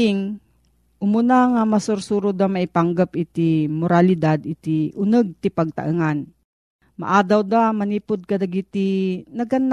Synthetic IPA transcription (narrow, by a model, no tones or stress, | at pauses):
ɪŋ | ʔʊmunaŋamɐsʊɾsuɾʊd̪amɐipaŋɡapɪt̪imoɾalɪd̪ad̪ɪt̪iʔʊnəɡ̚t̪ɪpɐɡ̚t̪ɐ̰ʔɨŋan | ma̰ʔad̪awd̪amɐniːpʊd̪̚kɐd̪aɡit̪inɐɡanː